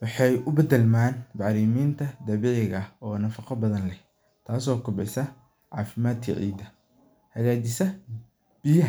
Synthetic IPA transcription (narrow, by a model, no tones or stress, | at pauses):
wɑħɑjʊbɐd̪ɛlmaːnbɑʕɾiːmiːnt̪ʰɐd̪ɐβɛʕɪɣɐɔːnɐfɑqɑbɐðɐnlɛh | t̪ʰaːsɔːkʰʊbɛjsɐ | ʕɑ̰ːfɪmaːd̪̚kʰɐ̰ʕḭːd̪ɐ | hɐɣaːd̪ɪsɐ | b̥ɪjɐɦ